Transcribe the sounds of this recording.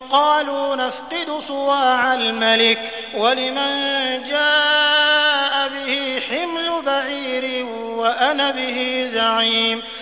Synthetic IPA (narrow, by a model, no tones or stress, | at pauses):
qɑːluːnafqɨd̪ʊsˤʊwaːʕalmalɪk | walɪmand͡ʒaː | ʔabɪhiħɪmlʊbaʕiːɾɪ | waʔanaːbɪhizaʕiːm